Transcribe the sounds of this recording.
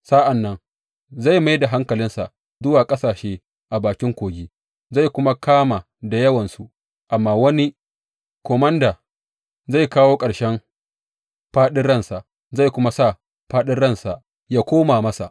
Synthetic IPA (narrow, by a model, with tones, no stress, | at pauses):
sa˦ʔa˨nːɐ˦ŋ | za˦˨jma˦jda˨ɦa˦ŋkɐ˨lɪ˦nsa̰˨ʔ | zʊ˦waː˨kʼɐ˦saː˨ʃeː˦ | ʔa˨baː˨kʲɪ˦ŋkʷoː˨ɡʲiː˦ | za˦˨jkʷʊ˦ma˦kʰaː˦ma˨ | da˨jɐ˦wɐ˨nsu˦ | ʔa˨mːaː˦wɐ˦ni˦ | kʷɔ˨mɐ˦ndaː˨ | za˦˨jkaː˦woː˦kʼɐ˨ɽʃɛ˦m | ɸaː˦ɗɪ˦nɽɐ˦nsa˨ʔ | za˦˨jkʷʊ˦ma˦sa˦˨ | ɸaː˦ɗɪ˦nɽɐ˦˨nsa˨ʔ | jaː˦kʷoː˦maː˨mɐ˦sa˨ʔ